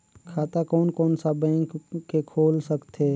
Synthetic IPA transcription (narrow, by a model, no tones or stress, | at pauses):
kʰaːt̪akɔːnkɔːnsabɛ̃ːŋkːekʰoːlsəkt̪eː